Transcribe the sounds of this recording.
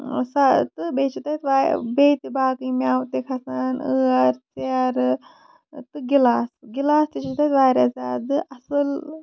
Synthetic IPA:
sat̪ɨbeːt͡ʃʰit̪at̪ʋaːbeːt̪ibaːkɨimʲaːwt̪ekʰɐsaːnəːɐɾt͡siaɾ | t̪ɨɡilaːsɡilaːst̪it͡ʃʰit̪at̪ʋaːɾʲazaːd̪ɨʔɐsɨl

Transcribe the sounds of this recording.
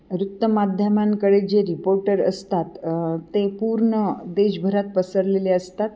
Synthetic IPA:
ɾut̪ːəmad̪ʱjəmankəɽed͡ʑeɾipoɾʈəɾə̰st̪at̪t̪ːẽpuɾɳəd̪eɕbʱəɾat̪̚pəsəɾleleəst̪at̪

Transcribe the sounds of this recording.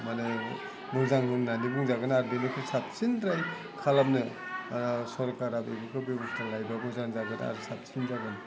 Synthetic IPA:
manɯ | mɯŋzaŋhunːanibuŋzaɡɯnaɾbinikʰɯsap̚sinɾaj | kʰalamnɯ | sɔɾkaɾabebɯkʰɯbɔbistʰalajbamɯzaŋzaɡɯta̰ɾsap̚sinzaɡɯn

